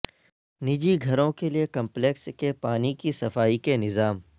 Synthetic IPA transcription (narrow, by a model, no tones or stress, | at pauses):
nɪd͡ʒiɡʱɐɾõkeliekɐ̃mplekskepaːnikisɐfaːikenɪzaːm